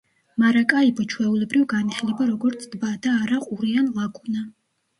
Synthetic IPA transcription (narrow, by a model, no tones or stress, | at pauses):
maɾakʼaibɔt͡ʃʰwɛulɛbɾivɡaniχlibaɾɔɡɔɾt̪sʰd̪̥bad̪aːɾaqʼuɾianlˠaɡʼuna